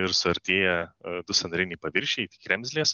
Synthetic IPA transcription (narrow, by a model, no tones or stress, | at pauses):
ɪɾsʊɐɾʲt̪ʲeːjɛd̪ʊsʲɐnɾʲɪnʲiːpɐʋʲɪɾʲʃʲɛɪt̪ʲi̥kɾʲɛmʲzʲlʲeːs